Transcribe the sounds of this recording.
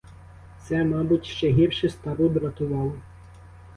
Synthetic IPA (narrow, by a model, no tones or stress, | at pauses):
t̪sɛmɑbʊtʲʃt͡ʃɛɦʲirʃɪst̪ɑbub̪ɾɐt̪ʊʋɑlˠɔ